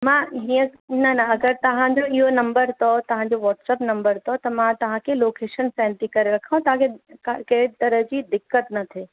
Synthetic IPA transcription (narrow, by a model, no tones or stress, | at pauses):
mãɦijə̃nɐnaɐɡəɾt̪ɐʋ̤ãd͡ʑoiɦonɐ̃mbəɾt̪ʰɔt̪ɐʋ̤ãd͡ʑoʋɔːʈsɛːpnɐ̃mbəɾt̪ʰɔt̪ɐmãt̪ɐʋ̤ãkʰeloːkeːʃənsɛ̃nt̪ikɐɾeɾɐkʰaũt̪ɐɦãkʰekakɐt̪ɐɾəɦd͡ʑiːd̪ɪkːət̪nɐt̪ʰe